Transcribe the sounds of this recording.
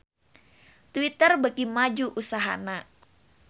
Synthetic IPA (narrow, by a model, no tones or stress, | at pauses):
t̪wit̪ərbəkimad͡ʒuʔusaɦa̰na